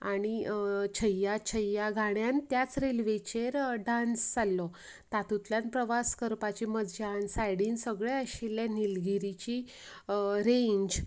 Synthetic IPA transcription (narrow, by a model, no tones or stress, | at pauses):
aɽ̃it͡ɕʰəjat͡ɕʰəjaɡʱaɽjant̪jat͡sɾelʋet͡ɕeɾɖansd͡zalːɔ | t̪at̪ut̪ljanpɾəʋaskəɾpat͡ɕiməd͡zd͡ʑansajɽiːnsəɡɭeəɕilːanilɡiɾit͡ɕi | ɾeɲd͡ʑ